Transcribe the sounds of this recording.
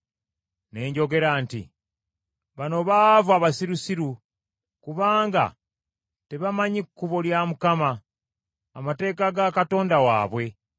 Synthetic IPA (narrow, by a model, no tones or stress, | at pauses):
ne̞ːɲɟo̞ɡe̞ɾaːntḭ | βano̞βavuaβasiɾusiɾu | kuβaːŋɡa̰ | te̞βamaɲikːuβoljamukamaː | mate̞ːkaɡakato̞ːndawa̰ːβwe̞